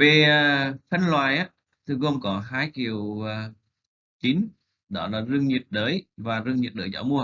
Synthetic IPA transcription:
ve˨˩əː˨fə˧nlwaː˨˩jʔaː˧˦ | t̪ʰɨ˨˧˩ɣo˧ŋ͡mkɔ˨˦ɦaː˧jki˨˩əwəː˨˩ | t͡ɕi˨˦n | ɗɔ˨˦laː˨˩zɨ˧əŋɲi˨˩əp̚ɗəː˨˦jvaː˨˩zɨ˧əŋɲi˨˩t̚ɗəː˨˦jt͡ɕɔ̰˧˦wmu˧ə

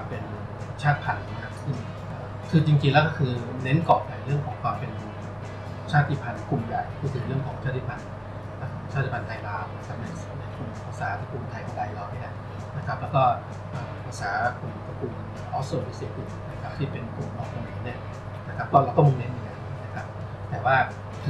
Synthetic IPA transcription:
pe˧n | t͡ɕʰaː˥˩t̪̚pʰa˧nːa˧˦˥kʰa˦˥p̚sɯ˥˩ŋ | ʔəː˨˩ | kʰɯː˧t͡ɕi˧ŋt͡ɕi˧ŋlɛː˦˥wkɔ˥˩kʰɯː˧ne˦˥nkɔː˨˩p̚na˨˩ɾɯ˥˩əŋkʰɔː˩˦ŋkʰwaː˧mpe˧n | t͡ɕʰaː˥˩t̪ʰːi˧˥˩pʰa˧nkʰu˨˩mbɛ̰˨˩p̚pʰuː˧˥t̪ʰɯ˨˩˦ŋɾɯ˥˩əŋkʰɔː˩˦ŋt͡ɕʰaː˥˩i˧˩pʰa˧n | na˦˥˩kʰaɔ˦˩˦t͡ɕaː˥˩t̪ʰːi˦˧˩pʰa˧nt̪ʰaː˧jlaː˧˥wna˦˥kʰa˦˥p̚na˧jna˧˩jkʰu˨˧˩m˨˩kʰu˧˥saː˨˦t̪ʰa˧kuː˧nt̪ʰa˧jkʰa˧˩da˧jlɔː˧wni˥˩ɐ˨˩ | na˦˥kʰa˦˥p̚lɛː˦˥wkɔː˥˩ | ʔəː˨˩m˧pʰɯ˧˥saː˩˦˧kʰu˧n˨˩kʰːa˧kuː˧n˧ʔʰɔː˦˥so˨˧˩wi˦˥seː˨˩u˨˩na˦˥kʰa˦˥p̚t̪ʰiː˥˩pe˧nkʰu˨˩mʔɔː˨˩a˧naː˨˦ni˥˩ɐ | na˦˥kʰa˦˥p̚kɔː˥˩ɾa˧wt̪ɔ˥˩m˧ne˦˥nʔŋa˧˩jna˦˥kʰa˦˥p̚ | t̪ɛː˨˩waː˥˩ | t̪ʰ

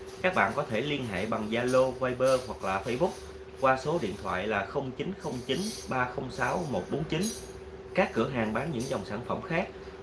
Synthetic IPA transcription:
kaː˦˥k̚ɓa̰ː˧˨nkɔ˨˦t̪ʰe˧˩li˧ənɦa̰ː˧˨ɓa˨˩ŋzaː˧lo˧vaː˧jɓəː˧hwa˨˩k̚laː˨˩fə˧jɓʊ˦˥k͡p̚ | kwaː˧so˨˦ɗḭ˧˨ənt̪ʰwa̰ː˧˨jlaː˨˩xə˧wŋ͡mt͡ɕi˨˦nxə˧wŋ͡mt͡ɕi˨˦nɓaː˧xə˧wŋ͡msaː˨˦wmo˨˩t̚ɓo˨˦nt͡ɕi˨˦n | kaː˦˥kːɨ˧˩əɦaː˨˩ŋɓaː˨˦nɲɨ̰˧˥ŋzɔ˨˩wŋ͡msaː˧˩nfə̰˧˩mxaː˦˥k̚

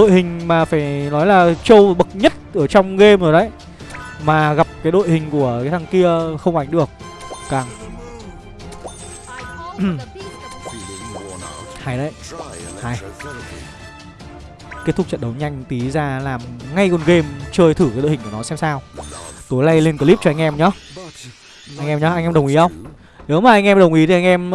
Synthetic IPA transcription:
ɗo̰˧˨jhï˨˩ŋ̟maː˨˩faː˧˩jnɔ˨˦jlaː˨˩t͡ɕə˧wɓə˨˩k̚ɲə˦˥t̚ʔəː˧˩t͡ɕɔ˧wŋ͡mɣe˧mzo˨˩jɗə˨˦j | maː˨˩ɣa˨˩p̚kaː˨˦jɗo̰˧˨jhï˨˩ŋ̟ku˧˩əaː˨˦t̪ʰa˨˩ŋki˧əxə˧wŋ͡mʔa˨˦jŋ̟ɗɨ˨˩ək̚ | kaː˨˩ŋ | ha˧˩jɗə˧˨jhaː˧˩j | ke˦˥t̪̚ʰʊ˦˥k͡p̚t͡ɕə̰˧˨nɗə˨˦wɲa˧jŋ̟t̪i˨˦zaː˧laː˨˩mŋa˧jkɔ˧˩nɣe˧mt͡ɕəː˧jt̪ʰɨ˧˩ka˨˦jɗo̰˧˨˩kːnɔ˨˦sɛ˧msaː˧wt̪u˨˦jla˧jle˧nkəː˨˧˦li˦˥t͡ɕɔ˧ʔa˧ŋ̟ʔɛ˧mɲɔ˨˦ | ʔa˧jŋʔɛ˧mɲɔ˨˦ʔa˧jʔɛ˧mɗə˨˩w̃ʔi˨˦hə˧wŋ͡m | ɗe˨˦wmaː˨˩ʔa˧ŋʔɛ˧mɗə˨˩wŋ͡mʔi˨˦t̪ʰi˨˩ʔa˧ŋ̟ʔɛ˧m

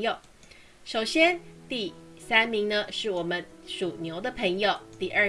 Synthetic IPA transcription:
jo˨˩ʊ | ʂo˨˩ʊɕjɛ˥nt̪i˥˩sa˥nmi˧˥ŋnə˧ʂɻ̩˥˩wɔ˨˩mə˦nʂu˨˩njo˧˥ʊd̪ə˧pʰə˧˥ŋjo˨˧ʊt̪i˥˩ʔə˥˩

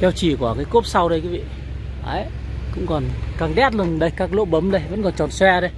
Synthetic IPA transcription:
kɛ˧wt͡ɕi˧˩ku˧˩kaː˨˦jko˦˥p̚sa˧wɗə˧jkuː˨˦vḭ˧˨ | ʔə˨˦j | kʊ̰˧˥ŋ͡mkɔ˨˩nkaː˨˩ŋɗɛ˦˥t̚lɨ˨˩ə˩ɗə˧jkaː˦˥k̚lo̰˧˥ɓə˨˦mɗə˧jvə̰˧˥nkɔ˨˩nt͡ɕɔ˨˩nswɛ˧ɗə˨˧j

